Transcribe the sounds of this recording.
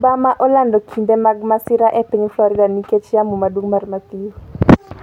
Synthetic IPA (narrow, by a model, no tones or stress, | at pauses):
bamaʔɔlandɔkʰindemaɡmasɪɾaʔepiɲflɔɾɪdaniket͡ʃjamumadwuŋmarmat̪i